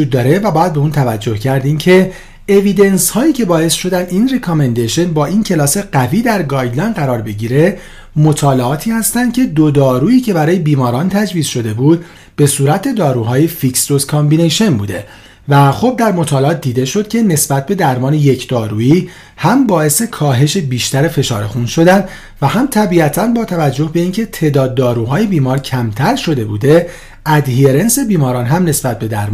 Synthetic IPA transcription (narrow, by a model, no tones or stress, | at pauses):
uːd̪̚ːɒːɾe̞væbɒːjæd̪̚beuːnt̪ʰævæd͡ʒːo̞hcʰæɾd̪iːmcʰe̞ | evid̪e̞nshɒːiːcʰe̞bɒːesʃo̞d̪ænd̪inrekʰomend̪eʃo̞nbɒːʔincʰe̞lɒːse̞ɢ̥æviːd̪æɾɡɒːjlænd̪ɢæɾɒːɾbe̞ɟiːɾe̞ | mo̞t̪ʰɒːleɒːt̪ʰiːhæst̪ænd̪̚cʰe̞d̪od̪ɒːɾuːiːcʰe̞bæɾɒːje̞biːmɒːɾɒːnt̪ʰæd͡ʒviːz̥ʃo̞d̪e̞buːd̪ | b̥e̞suːɾæt̪ʰe̞d̪ɒːɾuːɦɒːje̞fiksd̪oskʰɒmbineʃo̞nbṵːd̪e̞ | væxo̞b̚d̪æɾmo̞t̪ʰɒːleɒːt̪̚d̪iːd̪e̞ʃo̞d̪̥̚cʰene̞sbæt̪̚ʰbe̞d̪æɾmɒːneje̞cʰd̪̥ɒːɾuːiː | hæmbɒːe̞se̞kʰɒːɦe̞ʃe̞biːʃt̪æɾe̞fe̞ʃɒ̰ːɾexunʃo̞d̪ænd̪ | væhæmt̪ʰæbiæt̪ʰænbɒːt̪ʰævæd͡ʒːo̞hbe̞iːncʰe̞t̪ʰe̞ːd̪ɒːd̪ːɒːɾuːɦɒːje̞biːmɒːɾcʰæmt̪ʰæɾʃo̞d̪e̞buːd̪e̞ | ʔæd̪hieɾe̞nse̞biːmɒːɾɒːnɦæmne̞sbæt̪̚be̞d̪æɾm